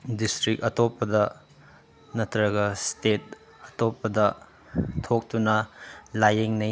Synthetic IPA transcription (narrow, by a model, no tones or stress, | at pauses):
distɾikɐtopːɐdɐ | nɐtʰɾɐɡɐstet̚ | ɐtopːɐdɐ | tʰok̚tunɐlajeŋnɐj